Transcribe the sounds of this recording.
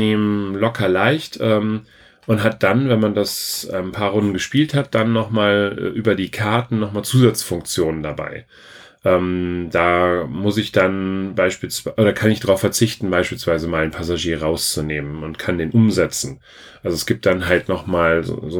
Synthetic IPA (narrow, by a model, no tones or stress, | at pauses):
eːməlɔkʰɐlaɪçtʰʔɛːm | ʔʊntɦat̚d̥anvɛnmandasɛːnpʰaːɐʁʊndn̩ɡəʃpiːlthat̚d̥anːɔχmaːl̰ːʔyːbɐdiːkʰaɐtn̩nɔχmaːlt͡suːzat͡sfʊŋk̚t͡sjoːnəndaba̰ɪ | ʔɛːmd̥aːmʊsɪçd̥anbaɪʃpiːlsv̥aʔoːɾɐkʰanɪçd̥ʁaʊfɛɐt͡sɪçtn̩baɪʃpiːlsv̥aɪzəmaːlanpʰasaʒiːɐʁaʊst͡suneːmənʊntkʰandeːnʔʊmzɛt͡sn̩ | ʔalzoɛsɡ̥iːp̚t̚d̥anɦaltnɔχmaːlz̰ːzo